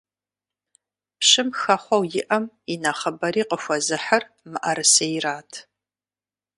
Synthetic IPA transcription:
pɕɨmxɐχʷɔwjɪʔɐm | inaχɐbɐɾiːqəxʷɔzɨħɐr | mɨʔɐɾɨsejraːtʰ

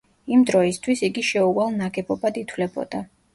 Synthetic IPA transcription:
imd̪ɾɔist̪ʰwisiɡiʃɛuvalˠnaɡɛbɔbad̪it̪ʰwlɛbɔ̰d̪̥a

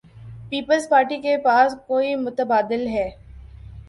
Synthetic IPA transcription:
piːpəlzpaːɾʈikepaːskoːimʊt̪əbaːd̪ɪlɦɛː

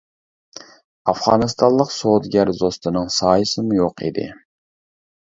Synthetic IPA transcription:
ɑfʁɑːnɨst̪ʰɑllˠəqsod̪ɡʲæɾzost̪ʰɨnɨŋsɑːjɨsɨmujoqʰḭd̪ɪ̰

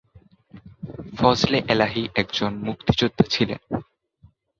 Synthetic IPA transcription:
fɔsleʔelaɦiʔɛkd͡ʑonmuk̚t̪i̥d͡ʑod̪ːat͡ɕʰilḛn

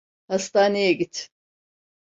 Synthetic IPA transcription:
hast̪aːnejɛɟit̪

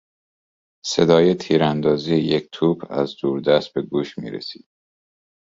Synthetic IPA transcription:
se̞d̪ɒːjet̪ʰiːɾænd̪ɒːziːjeject̪ʰuːpʰæ̰zd̪uːɾd̪æst̪̚be̞ɡuːʃmḭːɾḛsi̥̰ːd̪̥

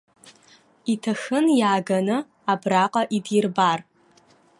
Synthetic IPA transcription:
itʰɐxɨnjaːɡɐnɨ | abraqʼɐʔidjɪrbar

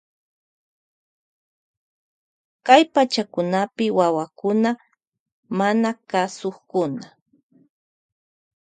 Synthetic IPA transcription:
kajpat͡ʃakʊnapɪwawakʊna | manakasoχkʊna

